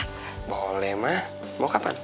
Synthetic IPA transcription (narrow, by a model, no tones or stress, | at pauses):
bolɛhmah | mokapa̰n